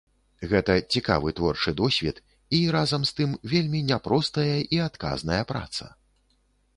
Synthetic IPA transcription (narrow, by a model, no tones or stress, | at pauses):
ɣɛt̪ɐt͡sʲika̰vɨt̪vɔrt͡ʂɨd̪ɔsʲvʲit̪ | iɾazɐmst̪ɨmvʲelʲmʲinʲɛpɾɔst̪ɐjɐʔiat̪ka̰znɐjɐpɾa̰t̪sɐ̰